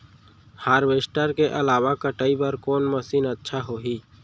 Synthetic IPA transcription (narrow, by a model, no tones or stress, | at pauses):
haːɾʋeːsʈəɾkeʔəlaːʋakəʈəibəɾkɔːnməsiːnətːʃʰaɦoɦiː